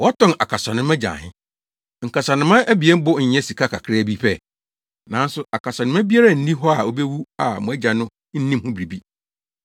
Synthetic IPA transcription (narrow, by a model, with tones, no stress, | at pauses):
wɔ˦tʰɔ̃˦˨na˨kʰa˨sɔ˨nʊ̃˦mæ˦d͡ʑã̰˨hɪ̃˦ | ŋ̩˨kʰa˨sa˨nɪ̃˦mã˦ʔæ˦bi˨ɛ˦m˦bʊ˦ɲ̩˨ɲɛ̃˦si˨kʰa˦kʰa̰˨kʰɾɛ˦˨bi˦ɸɛ˦˨ | nã˨˦n̩˦sʊ˦a˨kʰa˨sa˨nʊ̃˦mæ˦bi˦a˦ɾa˦˨n̩˦nĩ˦ɦɔ˦a˨o˦be˦wu˦a˨mʊ̃˨æ˦d͡ʑa˨nʊ̃˦ | n̩˦nĩ˦mhʊ̃˦bɾi˨bi˦